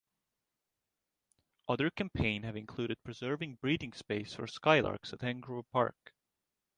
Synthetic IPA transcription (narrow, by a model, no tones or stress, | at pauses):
ʔʌðə˞kʰæ̃mpʰẽɪ̃nhɨvɨ̃nkʰl̥uːɾɨd̚pʰɹ̥ɨzɜ˞vɪ̃ŋbɹiɾɪ̃ŋspeɪsfə̰˞skaɪlʔɑ̰ɹksɨthæ̃ŋɡɹupʰɑ̰ɹk